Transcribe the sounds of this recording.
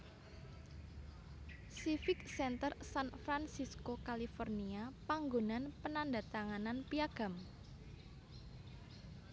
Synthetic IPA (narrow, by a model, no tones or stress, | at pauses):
sifɪksɛnt̪ərsanfɾansiskokalifɔrniapaŋɡonanpənandat̪aŋananpiaɡ̥a̤m